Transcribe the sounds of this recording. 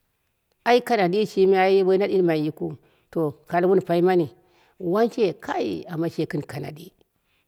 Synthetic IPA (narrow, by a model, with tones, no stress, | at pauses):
a˨˦i˦ka˨na˨di˦ʃi˦mi˦a˦ji˦be˦a˦ɗi˦n˦ma˨ji˦ku˦ | to˨ka˨lwu˦n˨pa˨i˦ma˦ni˨ | wa˦nt͡ʃe˦kʰa̰˦jḭ˨a˨mːa˦ʃe˨kɨ˦nka˨na̰˨di˦